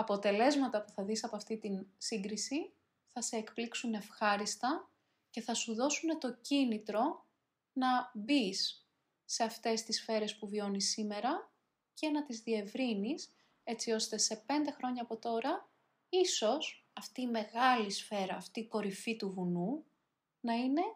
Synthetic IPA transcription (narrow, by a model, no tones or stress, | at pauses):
ɐpo̞t̪e̞le̞zmɐt̪ɐpuθɐðisɐpoɐft̪it̪insiŋɡɾisi | θɐse̞ːkpliksune̞fxɐɾist̪ɐ | ce̞θɐsuðo̞sune̞t̪o̞cinit̪ɾo̞ | nɐbisː | e̞ɐft̪e̞st̪isfe̞ɾe̞spuvio̞nisime̞ɾɐ | ce̞nɐt̪izðie̞vɾinis | e̞t͡sio̞st̪e̞se̞pe̞nd̪e̞xɾo̞ɲɐːpo̞t̪o̞ɾɐ | iso̞sɐft̪iːme̞ɣɐlisfe̞ɾɐːft̪iːko̞ɾifit̪uvunu | nɐine̞